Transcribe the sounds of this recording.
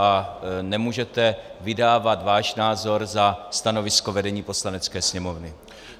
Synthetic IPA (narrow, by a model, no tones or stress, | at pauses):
anɛmuːʒɛt̪ɛvɪdaːvat̪vaːʃnaːzo̞ɾzast̪ano̞vɪskovɛdɛɲiːpo̞slanɛt͡skɛːsɲɛmo̞vnɪ